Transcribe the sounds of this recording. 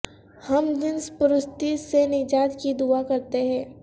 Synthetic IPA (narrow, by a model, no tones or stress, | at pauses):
hɐmd̪ɪnspʊɾʊst̪isenɪd͡ʒaːd̪kid̪uakɐɾt̪eɦɛ̃ː